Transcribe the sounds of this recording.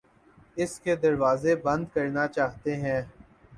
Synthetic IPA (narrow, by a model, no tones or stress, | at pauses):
ɪsked̪ɐɾʋaːzebɐ̃nd̪kɐɾnat͡ʃaːɦt̪eɦɛ̃ː